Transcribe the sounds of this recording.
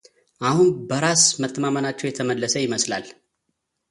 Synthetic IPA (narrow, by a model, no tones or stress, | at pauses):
ʔahunbəɾasmət̪ʼːəmamənat͡ʃːɛwjɛt̪ʰəməlːəsəjɪməsla̰l